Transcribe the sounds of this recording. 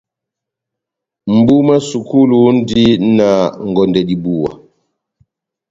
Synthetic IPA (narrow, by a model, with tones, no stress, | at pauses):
m̩˨bu˦ma˦su˨ku˦lu˨˦n̩˦di˦na˨ŋ˨ɡɔ˨ndɛ˨di˨bu˦˨wa̰˨